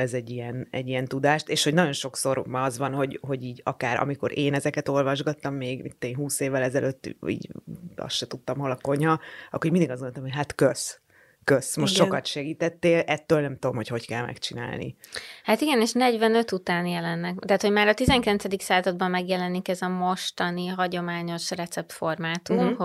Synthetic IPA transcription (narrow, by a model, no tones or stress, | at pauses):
ɛzɛɟːijɛnɛ̰ɟːijɛnt̪ud̪aːʃt̪eːʃho̞ɟnɒɟo̞nʃo̞kso̞rmɒzʋɒnɦo̞ɟho̞ɟiːɟɒ̰kaːɾʔɒ̰miko̞̰ɾeːnɛzɛkɛt̪o̞lvɒʒɡɒt̪ːɒmːeːɡmḭt̪ːeːnɦuːseːvːɛlɛzɛløt̪ːḭːɟɒ̰sʃɛt̪ut̪ːɒmɦo̞lɒko̞ɲhɒɒ̰kːoːɾiɾmind̪iɡɒzɡonoːt̪ɔmɦojɦat̪køs | køsmoʃtːʃo̞kɒt̪ʃɛɡiːt̪ɛt̪ːeːlɛt̪ːøːlnɛmt̪ud̪omho̞cho̞ckɛlmɛ̰kt͡ʃina̰ːlnḭhat̪iɡɛneːʃnɛɟvɛnø̞t̪ut̪aːnjɛlɛnːɛkt̪aːt̪hoɟmaːɾɒt̪izɛŋkilɛntsɛd̪iksaːzɒd̪̚bɒmːɛɡjɛlɛnikɛzɒmo̞ʃt̪ɒniɦɒɟo̞maːɲo̞ʃrɛt̪sɛp̚t̪fo̞rmaːt̪umh